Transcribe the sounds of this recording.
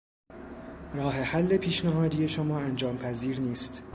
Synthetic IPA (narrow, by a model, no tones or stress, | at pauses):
ɾɒːɦe̞hælːe̞pʰiːʃnæɦɒːd̪iːje̞ʃomɒːænd͡ʒɒːmpʰæziːɾniːst̪